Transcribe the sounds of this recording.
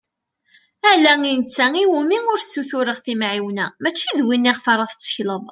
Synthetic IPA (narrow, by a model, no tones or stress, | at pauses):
əʕlæŋint͡sːæŋiwumiŋʊɾθt͡sːuθʊɾəʁθimʕiwnæmæt͡ʃːiðwinːiʁfɑɾˤɑθət͡sːə̥çləðˤ